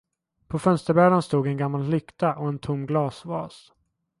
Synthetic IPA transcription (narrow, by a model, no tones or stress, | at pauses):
pʰɔfœnst̪əɾbæːɖanst̪uːɡɛnɡamːallʏkt̪aʔɔɛnt̪ʰʊmːɡlɑːsvɑːs